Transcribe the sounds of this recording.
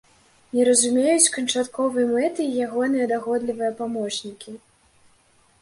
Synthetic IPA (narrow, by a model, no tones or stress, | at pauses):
nʲɛɾɐzumʲejut͡sʲkɐnt͡ʂat̪kɔvɨjɐmɛt̪ɨːjaɣɔnɨjɐd̪aɣɔd̪lʲivɨjɐpamɔt͡ʂnʲikʲi